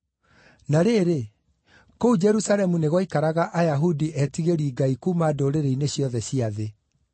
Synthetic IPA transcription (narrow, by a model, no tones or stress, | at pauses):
naɾeːɾe | koud͡ʒɛɾusalɛmuneɣɔikaɾaɣaʔajaɦudiʔɛtiɣeɾiːɡaikumadoːɾeɾeineɕjɔðɛɕiaðe